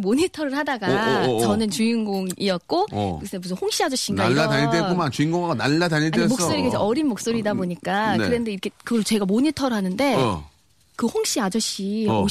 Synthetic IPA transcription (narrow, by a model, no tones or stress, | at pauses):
moɲitʰʌɾɯɭhadaɡaʌnɯnt͡ɕuiŋɡoŋiʌt̚k͈o̰kɯs͈ʰɯebusʰɯnhoŋɕ͈iad͡ʑʌɕ͈iŋaaataɲitepomant͡ɕuiŋɡoŋaɡanalːataɲiemoks͈oɾikesʰʌʔʌɾinmok̚s͈oɾidaboɲik͈ankɯɾendeiɾʌkʰekɯɡʌɭt͡ɕe̞ɡamoɲitʰʌɾɯɦanɯnde̞ | kɯhoŋɕ͈iad͡ʑʌɕ͈io